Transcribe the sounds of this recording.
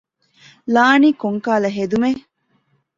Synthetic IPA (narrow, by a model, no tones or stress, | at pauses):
laːniːkoŋkaːlɐɦed̪ume